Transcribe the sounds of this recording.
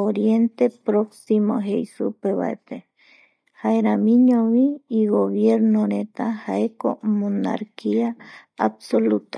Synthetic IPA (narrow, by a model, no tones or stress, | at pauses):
oɾjent̪epɾoksimo̰ɦejsṵpeβa̰ḛt̪e | haeɾamĩɲõβiːɣoβjeɾnoɾet̪ahaeko̰mona̰ɾkia | absolut̪ḁ